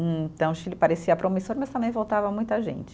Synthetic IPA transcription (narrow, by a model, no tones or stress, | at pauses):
t̪ɐ̃w̃ʃilɪpaɾesiɐpɾomisoɾmɐst̪ɐ̃mbẽj̃vowt̪avɐmũj̃t̪ɐʒḛ̃nt͡ʃɪ̥